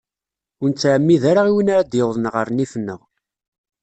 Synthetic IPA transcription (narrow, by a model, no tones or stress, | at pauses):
ʊnt͡sːaʕəmːiðaɾaʁiwənaʕd̪jewðˤənʁəɾnifnːə̰ʁ